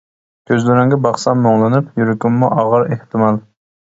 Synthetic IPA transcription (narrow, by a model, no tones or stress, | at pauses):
kʲʰøzlyɾɪŋɡʲɛbɑχsɑmːoŋlˠɨnupjyɾɪkʲumːuʔɑʁəɾeht̪ɨmɑlˠ